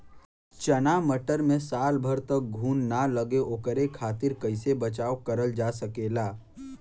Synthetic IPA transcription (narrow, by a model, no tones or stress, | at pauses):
t͡ʃənaməʈəɾmẽsaːlbʱəɾt̪ək̚ɡʱuːnːaləɡeʔoːkəɾekʰaːt̪ɪɾkəɪsebət͡ʃaːokəɾəld͡ʒaːsəkeːlaː